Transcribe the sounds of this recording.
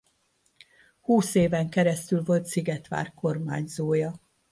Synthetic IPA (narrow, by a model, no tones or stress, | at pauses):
huːseːvɛŋkɛɾɛst̪ylvo̞lt̪siɡɛt̪ʋa̰ːrko̞rma̰ːɲzoːjɒ